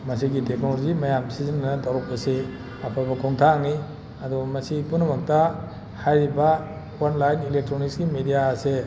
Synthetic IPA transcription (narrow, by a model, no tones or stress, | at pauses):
mɐsiɡiteknolozimɐjamsizinanɐdawɾɔk̚ːɐse | apʰabɐkʰɔŋtʰaŋni | ɐdɔmɐsipunɐmɐk̚ta | hajɾiba | wanlajnilek̚tɾonikskimedijaːse